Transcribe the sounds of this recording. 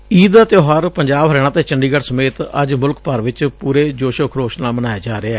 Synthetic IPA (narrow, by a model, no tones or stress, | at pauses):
iːd̪aːt̪joːɦaːɾpəɲd͡ʒaːbɦəɾɛːɽ̃ãːt̪eːt͡ʃəɳɖiːɡəɽsəmeːt̪ə̰d͡ʒmʊlkpəɾʋɪt͡ʃpuːɾeːd͡ʒoːʃəkʰɾoːʃnaːmənaːjaːd͡ʒaːɾeɛː